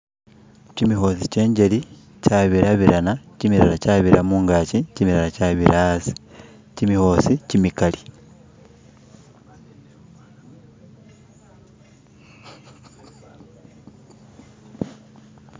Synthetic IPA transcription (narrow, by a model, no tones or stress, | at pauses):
cimiho̞sice̞ːɲɟe̞li | caβiɾaβiɾanacimiɾalacaβiɾʔamuːŋɡaːcicimiɾalacaβiɾʔasi̥ | cimiho̞sicimikali